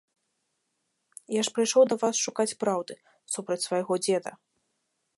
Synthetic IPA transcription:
jaʂpɾɨjʂɔwd̪ɐvasʂukat͡sʲpɾawd̪ɨ | supɾɐt͡sʲsvɐjɣɔd͡zʲɛd̪ɐ̰

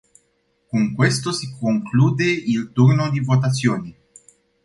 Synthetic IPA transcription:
kuŋkwest̪osikoŋkluːd̪eilt̪urnod̪ivot̪at̪sːjoːni

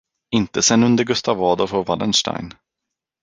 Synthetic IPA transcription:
ɪnt̪əsɛnːɵnd̪əɾɡɵst̪avɑːd̪ɔfovalə̰nʂʈa̰jn

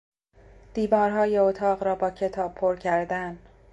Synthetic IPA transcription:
d̪̥iːvɒːɾɦɒːjeot̪ʰɒːɢɾɒːbɒːcʰe̞t̪ʰɒːb̚pʰoɾcʰæɾd̪æn

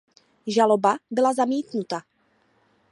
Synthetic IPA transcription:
ʒalobabɪlazamiːt̪nut̪a

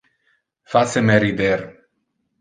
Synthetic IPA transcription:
fasemeɾid̪eɾ

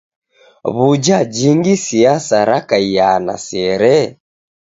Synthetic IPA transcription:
βud͡ʒad͡ʒiŋɡisiasaɾakaijana̰sɛɾɛ

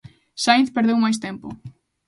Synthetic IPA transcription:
ʃajnθpeɾðewmajst̪empʊ̰

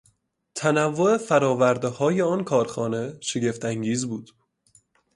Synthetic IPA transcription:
t̪ʰænævːo̞e̞fæɾɒːvæɾd̪ehɒːje̞ɒːnkʰɒːɾxɒːne̞ʃe̞ɟe̞ft̪ʰæŋɟiːzbuːd̪̥

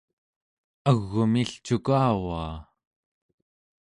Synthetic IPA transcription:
aɣːumiɬt͡ʃukaːwaː

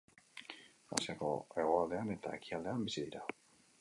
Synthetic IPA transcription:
a̰siako̰eɣoald̪e̞anet̪a̰ekʰiald̪eambisid̪iɾa

